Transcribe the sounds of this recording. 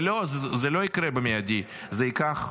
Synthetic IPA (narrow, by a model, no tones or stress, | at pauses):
lozzelo̞ikɾebemejad̪i | zeikaχ